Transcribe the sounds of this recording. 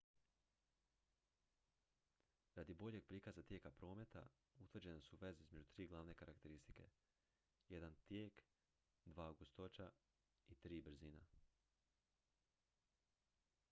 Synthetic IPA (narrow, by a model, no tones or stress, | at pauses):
ɾad̪ibo̞ʎe̞ɡ̚pɾiːkazat̪je̞ːkapɾo̞ːme̞t̪a̰ | ut̪ʋr̩d͡ʑe̞nesuʋe̞zeizme̞d͡ʑut̪ɾiːɡlˠaːʋne̞kaɾakt̪e̞ɾist̪i̥ke̞̰ | je̞d̪ant̪jeːk | d̪ʋaːoɡost̪ot͡ʃa | it̪ɾiːbɾ̩zina